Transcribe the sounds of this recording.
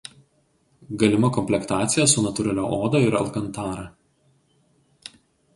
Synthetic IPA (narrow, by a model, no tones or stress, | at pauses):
ɡɐlʲɪmɐkɔmʲpʲlʲɛkt̪ɑːt̪sʲɪjɛsʊnɐt̪ʊɾʲɐlʲoːʔoːd̪oɪɾɐɐ̰lˠkɐnt̪ɑːɾɐ